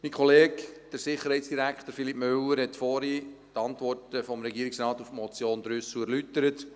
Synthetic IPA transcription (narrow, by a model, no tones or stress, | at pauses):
mikʰχɔleːkd̥əɾsɪχːəɾhɛjtsd̥iɾækχt̪əɾfilipmʏwəɾhɛtfɔɾitɑntʋɔrtəfɔmɾɛɡiːəɾɪksɾɑːt̪ufmɔt͡sjoːnd̥̪ɾʏsuæɾlytəɾət